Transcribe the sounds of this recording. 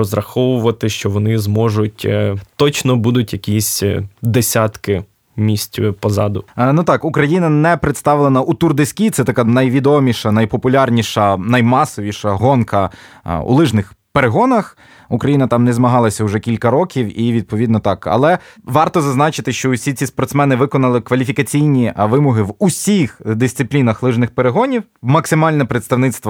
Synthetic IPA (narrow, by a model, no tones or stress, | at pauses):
ɔzɾɐxɔʋʊʋɐt̪ɪʃt͡ʃɔʋɔnɪzmɔʒʊtʲt̪ɔt͡ʃnɔbud̪ʊtʲjɐkʲisʲd̪esʲat̪kɪ | mʲisʲtʲpɔzɑd̪ʊnut̪ɑkukɾɐjinɐnɛpɾɪt̪st̪ɑʋlˠenɐʔut̪urd̪esʲkʲit̪sɛt̪ɐkɑnɐjʋʲid̪ɔmʲiʃɐnɐjpɔpʊlʲarnʲiʃɐnɐjmɑsɔʋʲiʃɐɦɔnkɐ | ṵlˠɪʒnɪxpeɾeɦɔnɐx | ukɾɐjinɐt̪ɑmnɛzmɐɦɑlˠɐsʲɐʊʒɛkʲilʲkɐɾɔkʲiwiʋʲid̪̚pɔʋʲid̪nɔt̪ɑkɐ̰lˠɛʋɑrt̪ɔzɐznɑt͡ʃɪt̪ɪʃt͡ʃɔʊsʲit͡sʲispɔrt̪smɛnɪʋɪkɔnɐlˠɪkʋɐlʲifʲikɐt͡sʲijnʲiʋɪmɔɦɪʋusʲixd̪ɪsʲt̪ɪplʲinɐxlˠɪʒnɪxpeɾeɦɔnʲiwmɐksɪmɑlʲnɛpɾet̪st̪ɐʋnɪt̪st̪ʋɐ